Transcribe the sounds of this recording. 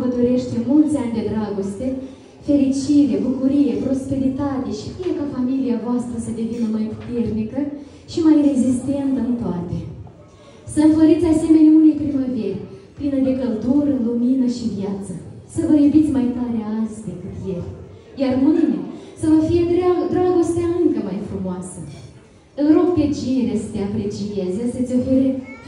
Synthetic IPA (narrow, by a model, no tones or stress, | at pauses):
vəd̪o̞ɾe̞ʃt̪e̞mult̪sʲanʲd̪e̞d̪ɾaɡo̞st̪e̞ | fe̞ɾit͡ʃiɾe̞bukuɾije̞pɾo̞spe̞ɾit̪at̪e̞ʃi̥fijekafamiliavoast̪ɾəsəd̪e̞vinəmajpu̥t̪e̞rnikə | ʃimajre̞zist̪e̞nt̪əɨnt̪oat̪e | səfəɾit̪sʲase̞me̞nʲaunepɾiməverʲplinəd̪e̞kəld̪uɾəɨnluminəʃivjat̪sə̰səvəjubit̪sʲmajt̪aɾeazʲd̪e̞kɨt̪je̞lʲ | jarmɨnesəvəfije̞d̪ɾead̪ɾaɡo̞st̪eaɨŋkəmajfɾumoasə | ɨnro̞k̚p̪e̞t͡ʃieɾesə̥t̪eapɾe̞t͡ʃijezʲesət̪sʲo̞fe̞ɾe̞